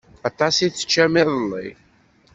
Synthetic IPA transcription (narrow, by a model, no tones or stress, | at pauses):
ɑt̪ˤɑsiθə̥t͡ʃːæmɪðˤəlˤːḭ